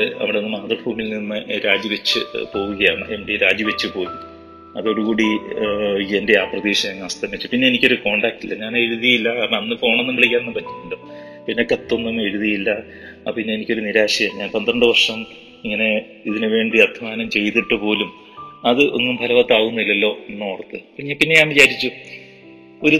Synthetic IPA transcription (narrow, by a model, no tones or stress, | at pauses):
ɨɐ̰ʋiɽeonːɨmaːt̪rɐfuːmilnimːɨɾaːd͡ʑjiʋɐt͡ɕːɨ̰po̞ːɣuɣɐjaːɳɨemɽeɾaːd͡ʑjɐʋet͡ɕːɨpo̞ːjum | ɐðo̞ɽuɣuːɽi | ende̞aːprɐðiːɕɐmeŋːɐɐst̪ʰɐmit͡ɕːupinːe̞enikʲːo̞ɾuko̞ːɳɖaːkːilːɐɲaːneɻuðijilːɐɐnːɨfo̞ːɳɐenːumkɐɭikʲːaːnenːumpɐtːi̥ʈːuɳɖɨ | pinːekɐt̪ːonːemːeɾuðijilːɐ | pinːeenikʲːo̞ɾuniɾaːɕɐjɐmɲaːnpɐnd̪rɐɳɖɨʋɐrʂɐm | iŋːɐne̞ | iðinɨʋe̞ːɳɖiɐd̪ʱimaːnɐmt͡ɕe̞jt̪ːiʈːɨpo̞ːlum | ɐðɨʔeŋːumpʰɐlɐʋɐt̪ːaːɣunːuilːɐlːo̞ːnːoːɽɐt̪ːɨpːɲapinːe̞ɲaːnʋit͡ɕaːɾit͡ɕːu | o̞ɾu